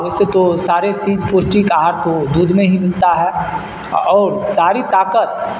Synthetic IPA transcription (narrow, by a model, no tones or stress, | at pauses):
ʊset̪osaːɾet͡ʃiːd͡ʒpoːsʈikaːɦaɾkod̪uːd̪ʱmẽɦimɪlt̪aɦɛː | ɔːɾsaːɾit̪aːkət̪̚